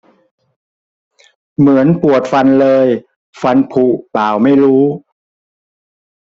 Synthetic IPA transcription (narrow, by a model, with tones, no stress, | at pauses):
mɯ˩˦ənpu˨˩ət̪̚fa˧nlɤː˧j | fa˧npʰu˨˩paː˨˩wma˥˩jɾuː˦˥